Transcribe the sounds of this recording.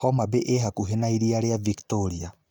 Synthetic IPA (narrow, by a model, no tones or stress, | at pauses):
hɔmabeʔeɦakuɦenaiɾiaɾeaviktoɾia